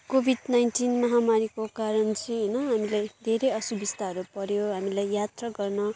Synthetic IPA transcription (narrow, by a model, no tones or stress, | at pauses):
kobʱiɖnajnʈinmʌɦamaɾikokaɾʌnt͡sʰeɦʌjnʌɦamilajd̪ʱeɾejʌsubist̪aɦʌɾupʌɾjoɦamilajjat̪rʌɡʌrnʌ